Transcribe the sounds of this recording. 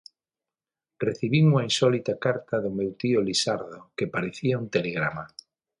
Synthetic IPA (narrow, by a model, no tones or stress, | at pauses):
reθiβiŋuŋainsɔlit̪akaɾt̪aðʊmewt̪iolisaɾðokepaɾeθiaunt̪eleɣɾama